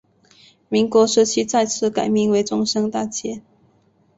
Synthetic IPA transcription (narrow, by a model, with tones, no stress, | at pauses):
mi˧˥ŋkwɔ˧˥ʂ̩˥t͡ɕʰi˥t͡sa˥˧ɪt͡sʰɹ̩˥˩ka˨˩ɪmi˥˩ŋwe˧˥ɪʈ͡ʂʊ˥ŋʂɤ˥ŋt̪a˥˩t͡ɕʰjɛ˥